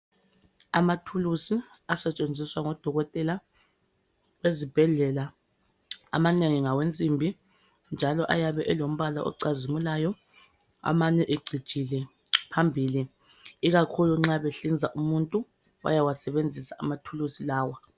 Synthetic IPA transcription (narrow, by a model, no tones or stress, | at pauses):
amatʰulusi | asɛt͡ʃʼend͡zʱiswaŋɔd̥ʱɔɣɔtʼɛla | wezib̥ʱɛɮɛla | a̰maneŋiŋawent͡sʼimbʱi | nd͡ʒʱalɔʔajaβɛʔɛlom̩βala̰ʔɔ̰ǀazimulaːjɔ | a̰maɲɛʔeɡ͡ǀʱid̥ʒ̥ʼʱilɛ | pʰambʱiːli | iɣakʰuluŋ͡ǁaβeɬind͡zʱaʔumuntʼu | wa̰jawasɛβend͡zʱisaʔamatʰulusilaːwa